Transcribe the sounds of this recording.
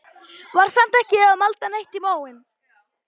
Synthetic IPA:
vaɾ̥sam̥t̪ɛhcɪaðmalt̪anejht̪ɪmaːwɪn

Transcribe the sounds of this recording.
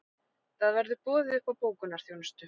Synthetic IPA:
θaðvɛɾðʏpɔːðɪʏhpawpoːwkʏnaɾ̥θjoːwnʏst̪ʏ

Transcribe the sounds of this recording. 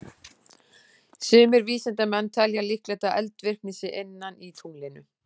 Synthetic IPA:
sʏːmɪɾviːsɛnt̪amɛnːt̪ʰɛljalihklɛt̪aʔɛlt̪vɪr̥k̚nɪsɪʔenːanit̪ʰuŋlɪnʏ̰

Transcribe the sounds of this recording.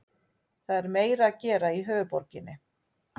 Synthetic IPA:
θaðɛɾmeːjɾaːcɛːɾaiɦœːvʏpɔɾcɪnːɪ

